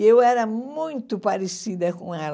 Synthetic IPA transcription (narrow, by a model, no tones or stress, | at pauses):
ewɛɾɐmũj̃t̪ʊpaɾesid̪ɐkõɛl